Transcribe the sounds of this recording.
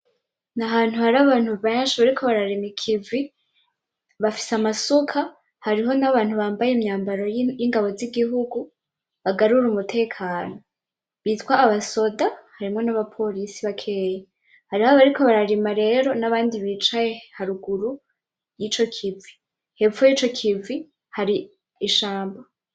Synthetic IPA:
naɦaːn̥huhaɾaβaːn̥huββajaʃaβaɾikʰo̞βaɾaɾemikʰivi | βafi̥samasukʰa | haɾiɦo̞naβaːn̥huβaːmbajemɲaːmbaɾo̞jiŋɡaβo̞ziɡiɦuɡu | βaɡaɾuɾumutʰe̞ːkʰaːno̞ | βiːtwaːβaso̞dahaɾimŋo̞naβapʰo̞ɾisiβakʰe̞ːje | haɾihaβaɾikʰo̞βaɾaɾimaɾe̞ːɾo̞naβaːndiβiːt͡ʃajehaɾuɡuɾu | jiːt͡ʃo̞kʰivi | he̞vujiːt͡ʃo̞kʰivi | haɾi | iʃaːmba

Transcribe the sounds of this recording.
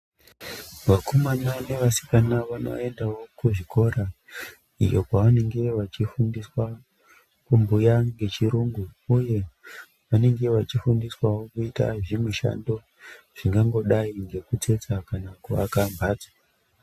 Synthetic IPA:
ʋakomanane̞ʋasi̥kanaʋano̞̰e̞ndawo̞kuʐiko̞ra | ḭjo̞̰kaʋane̞ŋɡe̞ʋat͡ʃifundiswa | kumbujaŋɡe̞t͡ʃiɾuːŋɡuuje̞ | ʋane̞ŋɡe̞ʋat͡ʃifundiswawokuita̰ʐimiʃa̰ndo̞ | ʐ̥iŋɡaŋɡo̞ɗaiŋɡe̞kut͡se̞t͡sakanakua̰kambʱaːd͡zḁ

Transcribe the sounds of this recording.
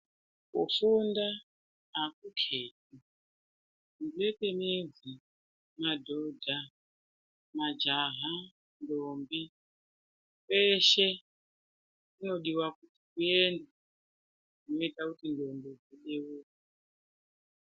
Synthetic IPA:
kṵfunda | ɦakukʰeːt̚i | ndietemezi | madʱodʱa | mad͡ʒaɦa | ndombi | peʃe | kuno̞ɗiwakutikuenda | uno̞itakutindo̞mbid͡ziɗewuka

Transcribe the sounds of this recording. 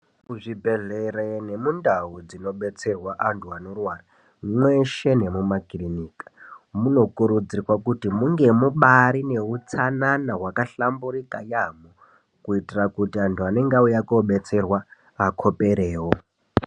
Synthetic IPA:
kuʐibʱe̞ɮeɾene̞mundaud͡zino̞ɓe̞t͡se̞rwaʔantʰuanorwaːra | mweʃe̞ne̞mumakiliniːkḁmuno̞kuɾud͡zirwakutimuŋɡe̞muɓaɾine̞ut͡sananaɦwakaɬamburikajamo | kuitirakutiantʰuane̞ŋɡaujakoɓe̞t͡se̞rwa | akʰo̞peɾeːwo

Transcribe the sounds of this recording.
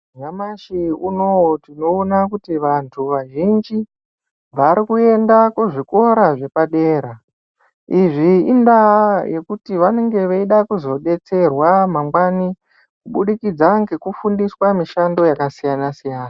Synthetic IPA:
ɲamaʃiunowotino̞ːnakutiʋantʰuʋaʒind͡ʒi | ʋaɾikue̞ndakuʐiko̞ɾaʐe̞paɗe̞ːɾa | iʐiindaje̞kutiʋane̞ŋɡe̞ʋeiɗakuzo̞ɗe̞t͡se̞rwamamɡwani | kuɓuɗikid͡zaŋɡekufundiswamiʃando̞jakasijanasijaːna

